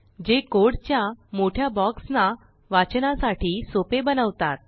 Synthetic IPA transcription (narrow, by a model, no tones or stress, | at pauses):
d͡ʑekoɽt͡ɕjãmoʈʰjabɔksna | ʋat͡ɕnasaʈʰiːsopebənəʋt̪at̪̚